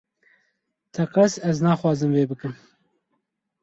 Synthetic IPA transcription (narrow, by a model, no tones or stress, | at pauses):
t̪ʰɛqɛsɛznɑːxwɑːzɨmveːbɨkɨm